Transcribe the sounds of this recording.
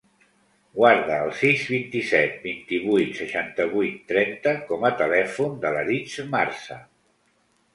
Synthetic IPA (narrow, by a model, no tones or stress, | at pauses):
ɡwaɾðəːlˠsizβint̪isɛt̪̚bint̪iβujt̪səʃant̪əβujt̪ːɾɛnt̪əkɔmət̪əlɛfund̪ələɾit͡smarsə